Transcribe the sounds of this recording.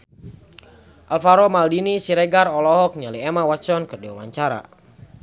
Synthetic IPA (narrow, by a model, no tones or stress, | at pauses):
ʔalfaɾɔmaldinisiɾɛɡarɔlɔɦɔk̚ɲaliɛmawat͡ʃɔnkərdiwawaɲt͡ʃaɾa̰